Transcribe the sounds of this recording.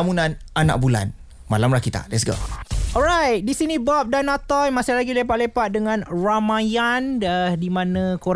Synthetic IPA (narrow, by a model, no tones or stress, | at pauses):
munãnʔana̰k̚bula̰n | malamɾahkit̪a̰lɛtsɡo̰ɔɹajt̪̚disinĩbɔp̚danat̪ɔjmasɪhlaɡilepaʔ̪lepat̪̚dəŋãnɹamajandədimãnãkoɾ